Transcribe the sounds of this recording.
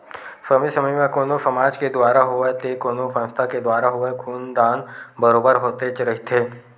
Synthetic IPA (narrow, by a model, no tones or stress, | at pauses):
fəmisɐməjmẽkoːnosɐmaːd͡ʒked̪waːɾaɦoet̪ekoːnofə̃nst̪ʰaked̪ʊwaːɾaɦoekʰuːnd̪aːnbəɾoːbəɾɦoːt̪et͡ʃɾɐɦit̪ʰeː